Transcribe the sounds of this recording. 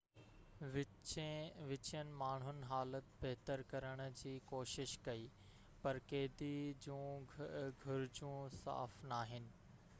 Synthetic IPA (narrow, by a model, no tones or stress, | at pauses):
ʋɪ | ʋɪt͡ɕənɪ̆maːɳ̤ʊnɪ̆ɦaːlət̪bɛɦt̪əɾkɐɾəɽ̃ʊ̆d͡ʑiːkoːʃɪʃkɐiː | pɐɾkeːd̪id͡ʑũː | ɡʱʊɾɪd͡ʑũsa̰ːfnaːɦɪnɪ̆